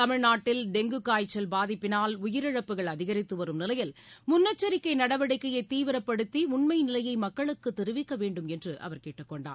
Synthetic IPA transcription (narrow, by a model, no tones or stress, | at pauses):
t̪ɐmɪɻnaːʈːɪlɖɛŋɡɯkːaːjt͡ʃːɐlbaːðɪpːɪnaːlʊjɪɾɪɻɐpːɯɣɐɭɐðɪɣɐɾɪt̪ːɯʋɐɾɯmnɪlɐjɪl | mʊnːɐt͡ʃːɐɾɪkːɐɪnɐɽɐʋɐɽɪkːɐjɐɪt̪ːiːʋɪɾɐpːɐɽɯt̪ːiʊɳmɐɪnɪlɐjɐɪmɐkːɐɭɯkːɯt̪ːɛɾɯʋɪkːɐʋeːɳɖɯmɛndrɯʔɐ̰ʋɐɾkeːʈːɯkːɔɳɖa̰ː